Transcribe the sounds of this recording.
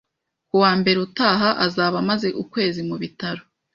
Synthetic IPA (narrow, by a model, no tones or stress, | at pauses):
kuwaːmbe̞ɾeutaːɦaʔazaβamaze̞ʔukwe̞ːzimuβitaɾo